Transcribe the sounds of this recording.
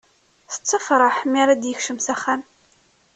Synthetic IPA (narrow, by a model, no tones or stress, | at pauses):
θə̥t͡sːəfɾˤəħmiɾad̪jəçʃəmsæχæm